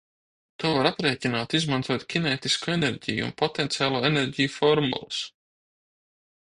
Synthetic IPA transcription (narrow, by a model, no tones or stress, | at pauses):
t̪uɔvaɾapɾeːcʲinaːt̪izmãnt̪uɔt̪kʲinɛːt̪iskueneɾʲɟʲḭjṵṵnpɔt̪ɛnt̪sʲiaːlˠuːeneɾɟijufɔɾmṵlˠus